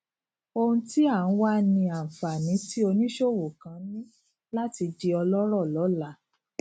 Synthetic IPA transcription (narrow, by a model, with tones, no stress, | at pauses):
o˧ũ˧ti˦a˦˨ñ̩˦wa˦nĩ˧a˨fa˨nĩ˨˦ti˦o˧nĩ˦ʃo˦˨wo˨kã˨˦nĩ˦ | la˦ti˧di˧ɔ˧lɔ˦ɾɔ˦˨lɔ˨˦la˨˦